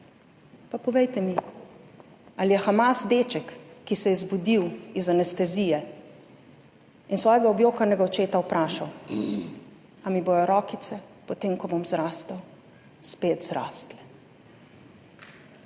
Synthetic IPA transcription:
papɔʋejt̪ɛmi | alijɛxamasd̪eːt͡ʃɛkːisɛjɛzbud̪iwizanɛst̪ɛziːjɛ | insʋɔːjɛɡaɔbjoːkanɛɡaɔt͡ʃeːt̪aupɾaːʃaw | amiboːjɔɾɔːkit̪sɛpɔt̪eːmkɔbomzɾaːst̪ɐw | speːt̪zɾa̰ːst̪lɛ

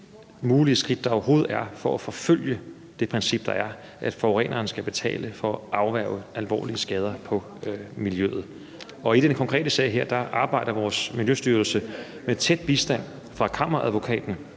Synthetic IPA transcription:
muːliəsɡ̥ʁid̥̚ːɑɒʊɐɦo̝ːð̩ˠæɐfɒ̽ʔæfɒ̽føl̰jə | d̥e̝pʰʁɛnsib̥̚d̥ɑ̈æɐ | ʔæd̥fɒːʁɛ̰ːnʔɐːn̩sɡ̥æb̥e̝t͡sʰɛ̰ːləfɒ̽ɑ̈ʊʋæɐʊəʔælʋɒ̰ːliəsɡ̥ɛːð̞ˠɐpʰɒ̽ | miljø̰ð̞̩ˠ | ɒ̽id̥enkʰɒ̽ŋkʰʁɛ̰ːd̥əsɛ̰ːɪɦeɐ̰d̥ɑ̈ʔɑ̈ːb̥ɑ̈ɪ̰d̥ɐʋɒːsmiljøsd̥yɐl̩sə | met͡sʰed̥̚b̥isd̥æn̰ | fʁɑ̈kʰɑ̈m̰ɐʁɐæðˠʋo̝kʰɛ̰ːd̥n̩

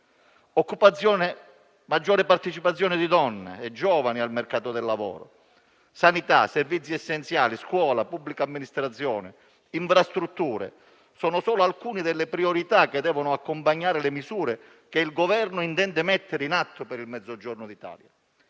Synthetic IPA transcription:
ɔkːupaɔːn | mad͡ʒːɔːɾɪpart̪et͡ʃipat̪sːjɔːnɪd̪id̪ɔnːḛːd͡ʒːɔːvanialmerkaːt̪ʊd̪ɛlːavɔ̰ːɾʊ̰ | sanit̪a̰servit̪sːiɛsːent̪sjaːliskwɔːlapubːlikaːmːinist̪ɾat̪sːjɔːnɪ | iɱfɾast̪ɾut̪ːuːɾḛ | sɔːnʊsɔːlʊalkuːnid̪elːɪpɾioɾit̪akɪd̪ːɛːvonʊakːompaɲːaːɾɪlemisuːɾe | keilɡovɛrnʊint̪ɛnd̪ɪmɛt̪ːɪɾinat̪ʰːopɛɾilmɛd̪zːod͡ʒɔrnʊd̪it̪a̰ːlja

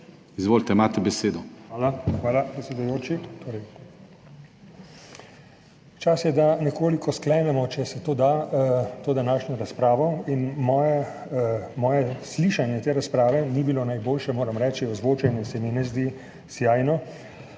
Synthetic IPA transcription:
izʋoːlt̪ɛimaːt̪ɛbɛseːd̪ɔaːlaxʋaːlapɾɛt̪sʲɛd̪ujoːt͡ʃit̪oːɾɛj | t͡ʃasjɛd̪anɛkoːlikɔsklɛmɛmɔt͡ʃɛsɛt̪oːd̪aːt̪oːd̪anaːʃnɔɾaspɾaːʋɔinmɔːja | mɔːjɛsliʃanjɛt̪eːɾaspɾaːʋɛnibilonajboːlʃɛmoːɾamɾɛːt͡ʃiɔzʋoːt͡ʃɛnɛsɛminɛzd̪i | sjaːjnɔ

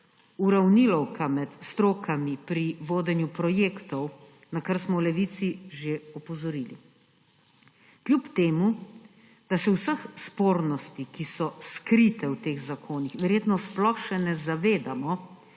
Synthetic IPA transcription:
uɾawnilɔwkʰamɛt̪st̪ɾoːkʰamipɾiʋoːd̪ɛnjupɾɔjeːkt̪ɔw | nakaɾsmɔwlɛʋit̪siʒeɔpɔzɔɾilḭ | klʲjupt̪eːmu | d̪̥asɛwsəxspoːɾnɔst̪ikisɔskɾit̪ɛwt̪eːɣzakʰoːnixʋɛɾjeːt̪nɔsplɔxʃɛnɛzaʋeːd̪amɔ

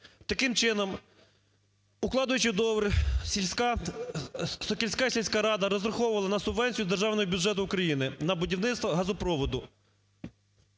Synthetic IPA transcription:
t̪ɐkɪmt͡ʃɪnɔm | ʊklˠɑd̪ʊjʊt͡ʃɪd̪ɔʋɾʲ | sɔkʲɪlʲsʲkasʲilʲsʲkaɾɑd̪ɐɾɔzrɐxɔwʊʋɐlˠɐnɐsʊbʋɛnʲt͡sʲijʊzd̪erʒɑwnɔɦɔbʲjʊʒɛt̪ʊːkɾɐjinɪnɐbʊdʲiwnɪst̪ʋɐɦɐzʊpɾɔʋɔd̪ʊ

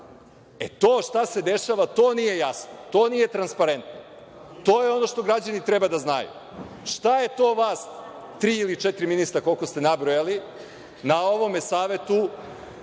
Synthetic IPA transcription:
ḛt̪o̞ːʃt̪ase̞d̪e̞ʃaːʋat̪o̞ːnije̞jasnot̪o̞ːnije̞t̪ɾanspaɾe̞nt̪no | t̪o̞ːjeo̞no̞ʃt̪o̞ɡɾad͡ʑanit̪ɾebad̪aznajṵ | ʃt̪aje̞t̪o̞ːʋaːs | t̪ɾiːilit͡ʃet̪ɾiminist̪ɾako̞lˠko̞st̪enabɾojali | nao̞ʋo̞mesaːʋe̞t̪u

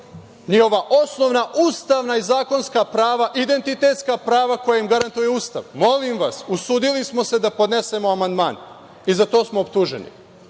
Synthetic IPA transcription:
niho̞ʋaʔo̞sno̞ʋnaʔuːst̪aʋnaizaːko̞nskapɾaːʋaʔid̪e̞nt̪it̪e̞t̪skapɾaːʋako̞jaimɡaɾant̪ujeuːst̪a̰ʋmo̞limʋasusuːd̪ilismo̞se̞d̪apo̞d̪ne̞se̞moamand̪maːn | izat̪o̞ːsmoopt̪uʒḛnḭ

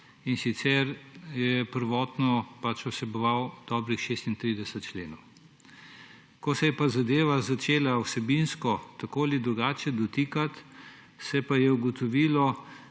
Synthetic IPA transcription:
insit̪sɛɾjɛpəɾʋɔːt̪nɔpat͡ʃɔsɛbɔʋawd̪̥ɔːbɾixʃest̪int̪ɾiːd̪ɛsət̪̚t͡ʃleːnɔw | kɔsɛjɛpazad̪eːʋazat͡ʃeːlawsɛbinskɔt̪akoalid̪ɾuɡaːt͡ʃɛd̪ɔt̪iːkat̪ | sɛpajɛuɡɔt̪ɔʋiːlɔ

